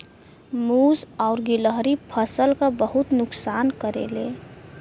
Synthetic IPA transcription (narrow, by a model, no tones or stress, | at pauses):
muːsɔʊɾɡɪləɦɾipʰəsəlkabəɦʊt̪nʊksaːnkəɾḛːleː